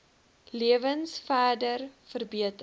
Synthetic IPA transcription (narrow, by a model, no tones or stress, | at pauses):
liəvənsfæːdərfərbiətə